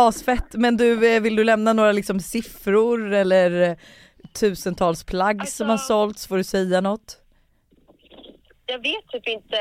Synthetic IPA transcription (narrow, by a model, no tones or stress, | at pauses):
ɑːsfɛt̪ːmɛnd̪ɵvɪld̪ɵlɛmnanoːɾalɪksɔmsɪfɾʊɾɛlːəɾ | t̪ʰʉ̟ːsənt̪ʰɑːlspʰlaɡːsɔmhaʂɔlt̪sfoɖɵsɛjːanɔt̪ː | jɑːɡveːt̪ʰːyːpɪnt̪ə